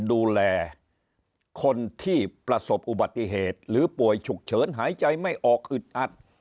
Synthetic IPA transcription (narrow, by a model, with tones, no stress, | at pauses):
duː˧lɛː˧ | kʰo˧nt̪ʰiː˥˩pɾa˧so˨˩p̚ʔu˨˩ba˨˩t̪̚ːi˧˩ɦeː˨˩t̪̚ɾɯː˨˦pu˨˩əjt͡ɕʰu˨˩k̚t͡ɕʰɤː˨˦˥nɦaː˩˦jt͡ɕa˧jma˥˩jʔɔː˨˩k̚ʔɯ˨˩t̪̚ʔa˨˩t̪̚